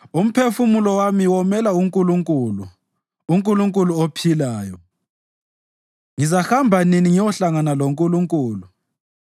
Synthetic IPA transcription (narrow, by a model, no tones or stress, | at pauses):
um̩pʰefumulɔwamiwɔmɛlauŋkʼuluŋkʼuluː | ŋkʼuluŋkʼuluopʰilaːjɔ | ŋizahambʱaniniŋiwɔɬaŋanaloŋkʼuluŋkʼuːlu